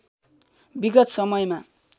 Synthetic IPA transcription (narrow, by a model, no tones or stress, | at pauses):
biɡʌt̪sʌmʌjma